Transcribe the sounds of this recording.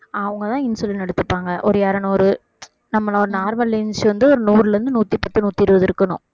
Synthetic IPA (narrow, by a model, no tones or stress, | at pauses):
ɐʋɐŋɡɐt̪ãːɪnsɪlɐnɐɽɯt̪ːɯpːaːŋɡɐʔɔɾɯjaːɾɐnɐɔɾɯ | nɐmːɐlɔɾɯnaːɾmɐlɪnsʋɐnd̪ɯɔɾɯnuːɾɪlɛɾɯnd̪ɯnuːt̪ːipːɐt̪ːɯnuːt̪ːiɪɾɯʋɐðɯɾɯkːɐɳʊ̰̃